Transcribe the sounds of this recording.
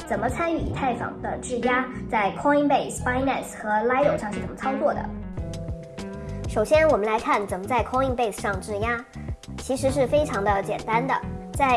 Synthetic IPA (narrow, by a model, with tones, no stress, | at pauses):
t͡sə˨˩nmə˦t͡sʰa˥ny˥˩ḭ˨˩t̪ʰa˥˩ɪfɑ̰˨˩ŋd̪ə˦ʈ͡ʂɻ̩˥˩ja˥t͡sa˥˩ɪkʰɔ˥ŋi˥ŋpe˥˩ɪsfa˥ɪnɛ˥˩sxɤ˧˥la˧˥ɪlo˨˩ʊʂɑ˥˧ŋʂɻ̩˥˩t͡sə˨˩mə˦t͡sʰɑ˥ʊt͡swɔ˥˩d̪ə̰˩ | ʂo˨˩ʊɕjɛ˥nwɔ˨˩mə˦nla˧˥ɪkʰa˥˩nt͡sə˨˩nmə˦t͡sa˥˩ɪkʰɑ˥ŋi˥˧ŋpe˥ɪs̩˨˩ʂɑ˥˧˩ŋʈ͡ʂɻ̩˥˩ja˥t͡ɕʰi˧˥ʂɻ̩˧˥ʂɻ̩˥˩fe˥ɪʈ͡ʂʰɑ˧˥ŋd̪ə˧t͡ɕjɛ̰˨˩nt̪a˥nd̪ə̰˨t͡sa˥˩ɪ